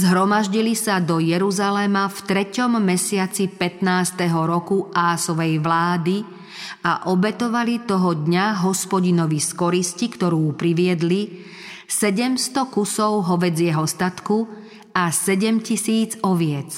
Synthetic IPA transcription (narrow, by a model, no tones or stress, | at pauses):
zɦɾɔmaʒɟilisad̪ɔjɛɾuzalɛmaft̪ɾɛcɔmːɛsɪat͡sipɛt̪naːst̪ɛɦɔɾɔkuʔaːsɔʋɛjʋlaːd̪i | aʔɔbɛt̪ɔʋalit̪ɔɦɔd̪ɲaɦɔspɔɟinɔʋiskɔɾiscikt̪ɔɾuːpɾiʋɪɛd̪li | sɛɟɛmst̪ɔkusɔʊɦɔʋɛd͡zjɛɦɔst̪at̪ku | asɛɟɛmcisiːd͡zɔʋɪɛt͡s